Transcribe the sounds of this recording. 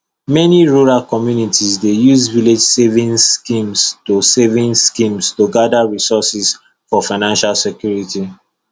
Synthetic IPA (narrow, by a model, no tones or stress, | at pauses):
mɛniɹoɹalkɔmjunitizdejuzviled͡ʒsevĩŋskĩmstosevĩnskĩmstoɡadaɹisɔsis | fɔfaɪnãnʃalsɛkjuɹiti